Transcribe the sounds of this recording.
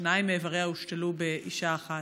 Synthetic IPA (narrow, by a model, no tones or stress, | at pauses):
naimeːvaʁeauʃtelubeʔiʃaːχa